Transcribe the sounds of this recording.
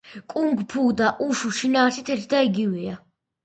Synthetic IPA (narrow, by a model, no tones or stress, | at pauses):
kʼuŋɡpʰud̪aʔuʃuʃinaːɾsit̪ʰɛɾt̪ʰd̪aiɡivia